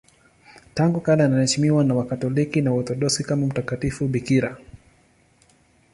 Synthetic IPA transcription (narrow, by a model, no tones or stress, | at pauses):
taŋɡukalaːnahɛʃmiwanawakatɔlikinawɔɾt̪ɔɗɔsikamam̩takatifuɓikiɾa